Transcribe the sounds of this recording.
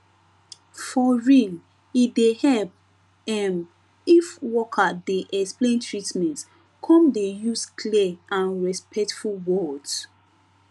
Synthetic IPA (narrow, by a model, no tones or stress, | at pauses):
fɔɹil | idehɛp | ɛm | ifwɔkʰadeʔɛksplẽntʰɹitmɛ̃nt | kʰɔ̃mdejuskʰliʔãnɹɛspʰɛk̚tfulwɔd